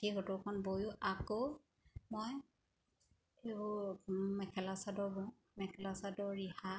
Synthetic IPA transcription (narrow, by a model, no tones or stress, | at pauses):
iɡɔtʊkʰɔnbojuʔakow | mɔj | ebɔmɛkʰɛlasadɔbɔ | mɛkʰɛlasadɔɹiha